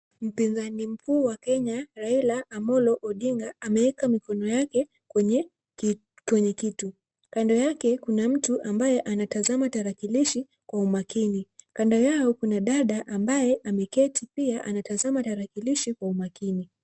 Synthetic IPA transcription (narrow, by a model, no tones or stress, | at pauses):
m̩pinzanim̩kuːwakɛɲaɾailaːmɔlɔʔɔɗiŋɡaamɛɛkamikɔnɔjakɛ | kwɛɲɛ | kwɛɲɛkitu | kandɔjakɛkunam̩tuʔambajɛʔanatazamataɾakiliʃi | kwaumakinikandɔjaɔkunaɗaɗaʔambajɛʔamɛkɛtʰipiaʔa̰natazamataɾakiliʃikwaumakini